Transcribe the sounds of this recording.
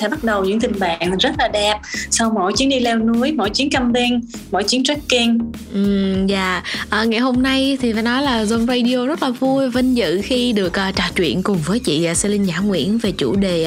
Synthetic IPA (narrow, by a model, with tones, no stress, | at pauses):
ɛ̰˧˩ɓa˦˥t̚ɗə˨˩wɲɨ̰˧˥ŋt̪ï˨˩ŋ̟ɓa̰ː˨ŋzə˦˥t̚laː˨˩ɗɛ˨˩p̚sa˧wmo̰˧˨jt͡ɕi˨˦əŋɗi˧lɛ˧wnu˨˦əjmo̰˧˨jt͡ɕi˨˦ənkə˧mɓi˧ŋmo̰˧˨jt͡ɕi˨˦ənt͡ɕa˦˥kki˧ŋʔɨ˨˩za̰ː˧˨ʔəː˨˩ŋa˨˩jɦo˧mna˧jt̪ʰi˨˩faː˧˩˦nɔ˨˦jlaː˨˩zo˧nza˧ɗi˧o˧zə˦˥t̚laː˨˩vu˧jvə˧nzɨ̰˧˨xi˧ɗɨ˨˩ək̚ʔəː˨˩t͡ɕaː˨˩t͡ɕwḭ˧˨ənkʊ˨˩ŋ͡mvəː˨˦jt͡ɕḭː˧˨˩se˧lï˧ŋ̟ɲaː˧˩ŋwḭ˧˥ənve˨˩t͡ɕṵ˧˩ɗe˨˩